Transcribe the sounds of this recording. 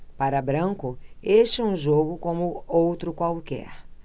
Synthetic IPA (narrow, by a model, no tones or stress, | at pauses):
paɾɐbɾɐ̃kʊeʃɪũʒoɡʊkõmʊowt̪ɾʊkwawkɛ̰ɾ